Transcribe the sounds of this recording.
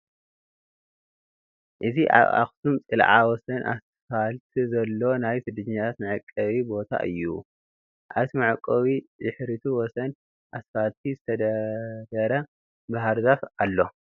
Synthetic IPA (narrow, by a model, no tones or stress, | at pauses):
ʔɨziʔa̰βa̰xt̪ʰumt͡sʼɨlʕawɔsɐnʔa̰s | falt̪ʰizɐlːo̞najfɨd̪ɨɲɲat̪ʰat̪mɨʕɨkʼːɐβibo̞t̪ʰa̰ʔɨ̰jːṵ | ʔa̰βt̪ʰimɨʕakʼːɐwizɨħɾit̪ʰuwɔsɐn | ʔasfalt̪ʰizɨt̪ʰɐd̪ɐd̪ɐɾɐ | baɦaɾzafalːo̞